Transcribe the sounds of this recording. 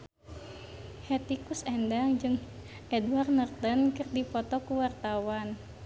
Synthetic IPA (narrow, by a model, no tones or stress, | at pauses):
hɛt̪ikusɛndaŋd͡ʒɨŋ | ɛduwarnərt̪ənkɨrdipɔt̪ɔkuwart̪awan